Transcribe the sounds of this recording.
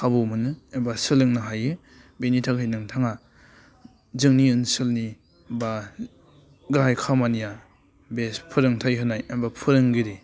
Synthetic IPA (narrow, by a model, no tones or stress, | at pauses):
kʰabumɯnɯembasɯlɯŋnɯɦajɯ | benitʰakʰɯjnɯŋtʰaŋa | zɯŋniɯnsɯlni | ba | ɡajkʰamanija | bespʰɯɾɯŋtʰajɦɯnajembapʰɯɾɯŋɡiɾi